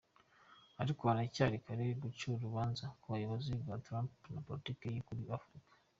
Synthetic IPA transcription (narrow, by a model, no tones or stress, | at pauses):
aɾikoanacaɾikaɾeɡut͡ʃuɾuβaːnzakuβajuβazbɡatɾampnapoɾitiːkejikuɾiafɾikḁ